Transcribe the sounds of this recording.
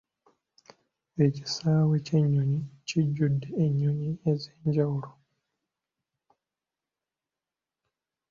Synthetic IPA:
e̞ci̥saːweceɲːoɲiciɟːudːeːɲːoɲiezeːɲɟawuɾo

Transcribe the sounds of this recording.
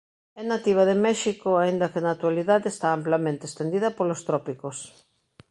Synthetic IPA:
ɛnat̪iβ̞aðemɛʃikoaind̪ɐkenat̪waliðaðeest̪aamplamẽnt̪est̪end̪iðɐpolost̪ɾɔpikos

